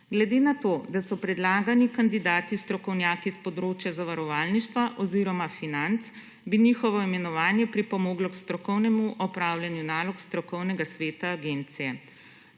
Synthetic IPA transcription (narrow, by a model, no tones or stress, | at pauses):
ɡlɛd̪eːnat̪oːd̪asɔpɾɛd̪laːɡanikand̪id̪aːt̪ist̪ɾɔkɔwnjaːkispɔd̪ɾoːt͡ʃjazaʋaɾɔʋaːlniʃt̪ʋaʔɔziːɾɔmafinant̪s | biniːxɔʋɔimɛnɔʋaːnjɛpɾipɔmoːɡlɔkst̪ɾɔkɔwnɛmuʔɔpɾaːwljanjunaːlɔkst̪ɾɔkɔwnɛɡasʋeːt̪aːɡent̪sijɛ